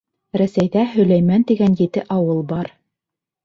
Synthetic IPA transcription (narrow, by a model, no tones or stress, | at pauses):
ɾæsæjðæɦɵ̆læjmænt̪iɡænjɘ̆t̪ɘʔɑwɤlˠbɑɾ